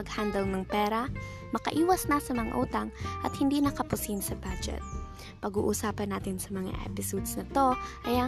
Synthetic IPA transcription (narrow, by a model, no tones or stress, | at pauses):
ɐɡhand̪ɐlnɐŋpɛːɾɐ | mɐkɐ̰ʔiːwɐsnɐsɐmɐŋa̰ʔuːt̪ɐŋʔɐt̪̚hɪnd̪iːnɐkɐpʊsinsɐbad͡ʒɛ̰t̪̚ | pɐɡṵːʔʊsaːpɐnːaːt̪ɪnsɐmɐŋa̰ʔa̰pɪsud̪snɐt̪o̞ʔɐjɐ